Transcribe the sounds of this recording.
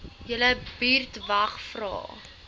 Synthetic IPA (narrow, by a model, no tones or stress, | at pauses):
jələbiːrtvɐχfrɑ̰ː